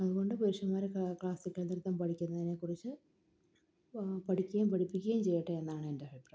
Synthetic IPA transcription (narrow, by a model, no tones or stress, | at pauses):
ɐðuɣo̞ɳɖɨpɐɾiʂɐmaːɾekɭaːsikʲːɐɭniɾut̪ːɐmpɐʈikʲːunːɐðine̞kːurit͡ɕːɨ | pɐʈʰikʲːɣɐjumpɐʈʰipːikʲːɐjumt͡ɕe̞jːiʈːɐenːaːɳɨendeɦɐʈrɐ